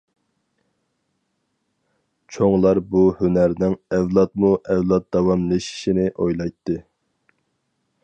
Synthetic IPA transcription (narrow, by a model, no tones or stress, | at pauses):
t͡ʃʰoŋlˠɑɾbuhynæɾnɪŋɛvlˠɑt̪̚muʔɛvlˠɑt̪̚d̪ɑwɑmlˠɨʃi̥ʃinɪʔojlˠɑjt̪ʰːɨ